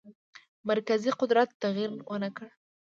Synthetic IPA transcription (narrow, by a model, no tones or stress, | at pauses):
maɾkaziqʊd̪ɾat̪ːaɣiɾwʔənakəɽ